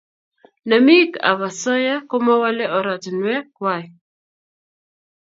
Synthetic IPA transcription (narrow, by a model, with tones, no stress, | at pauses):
na˨mi˦ka̰˨βa˨sɔ˦ja˦ko˦mɔ˦wa˦lɛ˦ɔ˨ɾa˨tnwɛ˦kwa˨j